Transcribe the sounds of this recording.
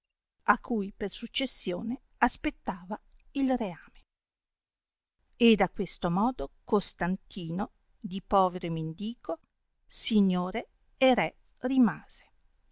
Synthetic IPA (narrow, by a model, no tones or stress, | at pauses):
akʰːujpersut͡ʃːesːjoːne | aspet̪ːaːvailreaːme | ed̪akwest̪omɔːd̪okost̪ant̪iːno | d̪ipɔːveɾomend̪iːko | siɲːoːɾeː | ɾɛ | rimaːz̥e̥